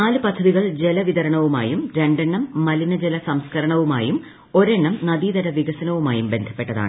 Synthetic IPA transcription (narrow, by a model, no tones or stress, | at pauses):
naːlɨpɐd̪ʱːɐðiɣɐɭd͡ʑe̞lɐʋiðɐɾɐɳɐʋuma̰ːjumɾe̞ɳɖeɳːɐmːɐlinɐd͡ʑelɐsɐmskɐɾɐɳɐʋumaːjum | o̞ɾe̞ɳːɐmnɐd̪iːðɐɾɐʋiɣɐsɐnɐʋumaːjumbe̞nd̪ʱɐ̥pːe̞ʈːɐða̰ːɳɨ